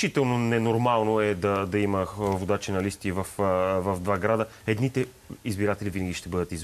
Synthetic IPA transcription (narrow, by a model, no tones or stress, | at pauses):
it̪ɛlˠnonɛnoɾmalˠnoɛd̪ɐd̪ɐiməvod̪at͡ʃinɐlist̪ivɐfvɐvd̪vaɡɾad̪əɛd̪nit̪ɛ | izbiɾat̪ɛlivinəɡʲiʃt̪ɛbɤd̪ət̪iz